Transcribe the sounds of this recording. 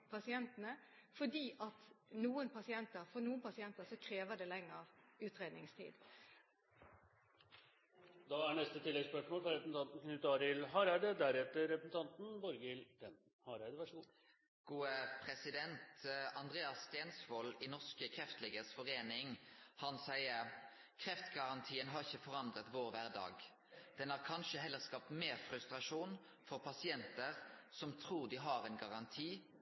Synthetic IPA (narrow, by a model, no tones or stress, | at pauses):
pʰɑsɪɛnt̪ənəfɔɖiːʔɑt̪nuːənpʰɑsɪɛnt̪əʁfɔnuːənpɑsɪɛnt̪əsɔkʰɾeːʋəd̪ɛlɛŋːəʁʉːt̪ʁeːd̪nɪŋst̪ʰḭːd̪ | d̪ɑæɳɛst̪ət̪ʰɪlːɛɡspœʂmoːlfɾɑɾɛpəsn̩ʰɑnt̪n̩knʉt̪ːəɑːɾɪlɦɑːɾæɪd̪əd̪æɾɛt̪ːəɾːɛpɾəsn̩t̪ʰɑnt̪n̩bɔɾɡəɪlɾɛn | hɑɾæɪd̪əʋæʂuː | ɡ̥uːəpʰʁɛsɪd̪ɛnt̪ʰɑnd̪ʁeːɑsːt̪eːnsʋɔlɪnɔʂkəkʰʁɛft̪lɛɡəsfɔʁeːnɪŋhɑnsæɪəɾ | kʰɾɛft̪ɡɑʁɑnt̪ʰiːənɦɑɾɪçːəfɔʁɑnd̪ʁət̪ʋoːʁʋæːʁd̪ɑ̰ːɡ | d̪̥ɛnhɑʁkʰɑnʃəɦɛlːəʁskɑp̚t̪meːʁfɾʉst̪ʁɑʂuːn | fɔʁpʰɑsɪɛnt̪əʁsɔmt̪ʰɾuːʁd̪ɪɦɑʁɛnɡɑʁɑnt̪ʰiː